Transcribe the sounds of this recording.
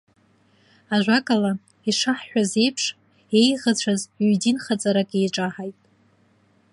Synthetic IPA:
aʒᶣʷakʼala | iʂaħːʷᶣaze̞jpʰʂ | e̞jʁət͡ɕʷʰazydinχat͡sʼaɾakʼejʈ͡ʂʼaħajtʼ

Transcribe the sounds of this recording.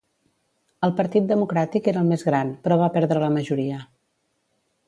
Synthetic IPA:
əlˠpəɾt̪it̪̚d̪əmukɾat̪ikeɾəlˠmezɣɾanpɾɔβ̞apɛɾðɾələməʒuɾiə

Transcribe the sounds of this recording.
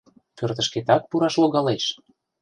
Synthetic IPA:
pørt̪ə̆ʃket̪ɑt̪̚puɾɑʃloɣɑleʃ

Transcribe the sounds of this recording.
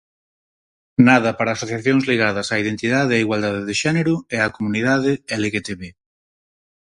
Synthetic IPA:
naðɐpaɾaːsoθjaθjoŋzliɣað̞ɐsaiðent̪iðaðeiɣwald̪aðeðɪʃɛneɾʊɛakomuniðaðɪɛleɣet̪eβe

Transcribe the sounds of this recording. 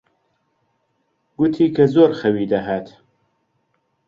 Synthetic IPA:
ɡut̪ʰiːkʰɐzoːɾxɐwiːd̪ɐɦaːt̪

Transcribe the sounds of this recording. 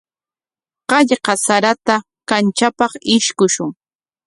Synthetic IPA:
qɑʎqɑsaɾat̪a | kant͡ʃapɑχɪʃkʊʃʊŋ

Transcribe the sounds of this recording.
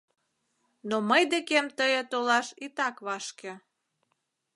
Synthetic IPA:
noməjd̪ekemt̪əjet̪olɑʃit̪ɑkβɑʃkĕ

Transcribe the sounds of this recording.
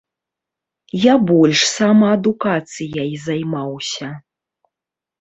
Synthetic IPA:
jabɔlʲʂsamɐːd̪ukat̪sɨjaizajmawsʲɐ

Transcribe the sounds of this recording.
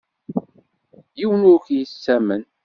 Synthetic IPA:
jiwənʊɾkjisːæmən

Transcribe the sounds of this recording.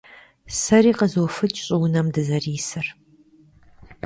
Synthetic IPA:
sɐɾiːqəzoːfɨt͡ʃʼɕʼɪwnɐmdɨzɐriːsɨr

